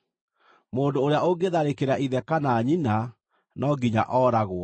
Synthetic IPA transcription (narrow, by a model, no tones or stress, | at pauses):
moːndoːɾeaoɡeðaɾekeɾaiðɛkanaːɲina | nɔːɡiɲa̰ʔɔːɾaɣoɔ